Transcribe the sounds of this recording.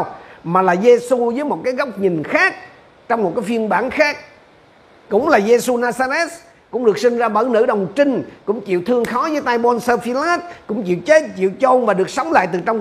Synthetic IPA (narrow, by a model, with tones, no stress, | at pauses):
wmaː˨˩laː˨˩ze˧su˧zəː˨˦jmo˨˩t̚kaː˨˦jɣa˦˥wk͡p̚ɲï˨˩ŋ̟xaː˦˥k̚ | t͡ɕɔ˧wŋ͡mmo˨˩t̚kaː˨˦fi˧ənɓaː˧˩nxaː˦˥k̚ | kʊ̰˧˥ŋ͡mlaː˨˩ze˧su˧naː˧zaː˧zɛ˦˥t̚ | kʊ̰˧˥ŋ͡mɗɨ˨˩ək̚sï˧ŋ̟zaː˧ɓə˧˩nɨ̰˧˩ɗə˨˩wŋ͡mt͡ɕï˧ŋ̟kʊ̰˧˥ŋ͡mt͡ɕḭ˧˨wt̪ʰɨ˧əŋxɔ˨˦zəː˨˦jt̪aː˧jmɔ˧nsəː˧fi˧la˦˥t̚kʊ̰˧˥ŋ͡mt͡ɕḭ˧˨wt͡ɕe˦˥t̚t͡ɕḭ˧˨wt͡ɕo˧nvaː˨˩ɗɨ˨˩ək̚sə˨˦wŋ͡mla̰ː˧˨jt̪ɨ˨˩t͡ɕɔ˧wŋ͡m